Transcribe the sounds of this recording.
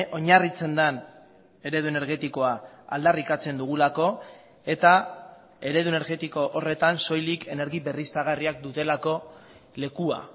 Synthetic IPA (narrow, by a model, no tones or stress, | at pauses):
ʔo̞ɲarit͡se̞nd̪an | e̞ɾe̞ðue̞ne̞ɾɣe̞t̪iko̞aa̰ld̪arikat͡se̞nd̪uɣ̞ulako̞ | e̞t̪a | e̞ɾe̞ðue̞ne̞ɾɣe̞t̪iko̞ʔore̞t̪anso̞jlike̞ne̞ɾɣibe̞rist̪aɣ̞ariak̚d̪ut̪e̞lako̞ | le̞kua̰